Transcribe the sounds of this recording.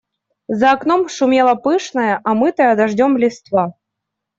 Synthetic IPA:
zɐːknomʂumʲelˠɐpɨʂnɐjəʔamɨt̪əjɐd̪ɐʐdʲomlʲɪst̪va

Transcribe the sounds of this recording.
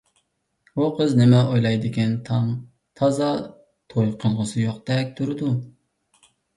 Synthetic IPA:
buqʰəznɪmɛʔojlˠɑjd̪ɪɡʲɛnt̪ʰɑm | t̪ʰɑzɑ | t̪ʰojqʰəlˠʁəsɨjoqd̪ɛk̚ʲt̪ʰuɾɨd̪u

